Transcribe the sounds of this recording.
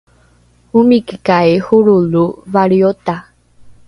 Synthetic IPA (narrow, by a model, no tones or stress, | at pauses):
umĩkikaehuɾuluvaɾiot̪a